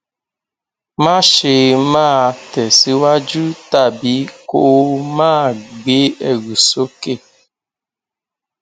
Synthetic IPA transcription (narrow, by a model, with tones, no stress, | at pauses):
ma˦ʃe˨maː˦˨tɛ˨si˦wa˦d͡ʒu˦ta˦˨bi˦ko˦ʔmaː˦˨ɡ͡be˦ɛ˨ɡu˨so˦ke˦˨